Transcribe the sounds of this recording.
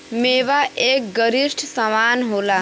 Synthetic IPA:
meːʋaʔeːk̚ɡəɾisʈʰsəmaːnɦoːlaː

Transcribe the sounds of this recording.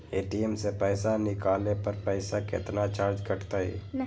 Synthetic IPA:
eːʈiemsepɛːsanɪkaːlepəɾpɛɪsakɪ̰t̪nat͡ʃaːɾd͡ʒkəʈt̪aɦɛ̰ː

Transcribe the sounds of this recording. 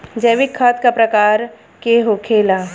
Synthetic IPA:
d͡ʒɐʋɪkʰːaːt̪kapɾɐkaːɾ | keɦokʰeːla

